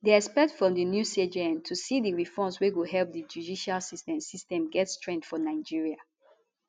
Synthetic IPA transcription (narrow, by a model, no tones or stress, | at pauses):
diɛspɛk̚tfɹɔ̃mdənjusied͡ʒeɛ̃ntʰusidiɹifɔ̃msweɡuɦɛlp̚dəd͡ʒudiʃalsistɛ̃msistɛ̃mɡɛtstɹɛ̃ndfɔnaɪd͡ʒiɹia